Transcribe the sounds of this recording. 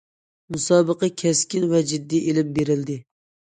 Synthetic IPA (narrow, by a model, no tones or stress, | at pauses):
musɑːbəqəkʲʰɛskʲinvɛd͡ʒid̪ːiʔelɪmbeɾɪld̪ɪ